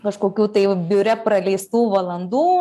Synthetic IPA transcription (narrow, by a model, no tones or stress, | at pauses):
kɐʃkoːkʲuːt̪ɐɪbʲʊɾʲɛpɾɐlʲɛɪst̪uːʋɐlˠɐnd̪uː